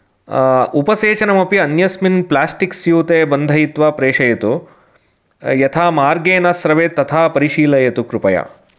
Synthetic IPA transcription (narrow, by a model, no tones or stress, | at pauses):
upɐseːt͡ʃɐnɐmɐpiɐnjɐsminplaːsʈiksjuːt̪eːbɐnd̪ʱɐjit̪ʋaːpɾeːʂɐjɐt̪u | jɐt̪ʰaːmaːɾɡeːnɐsɾɐʋeːt̪ɐt̪ʰaːpɐɾiʃiːlɐjɐt̪ukɾupɐja̰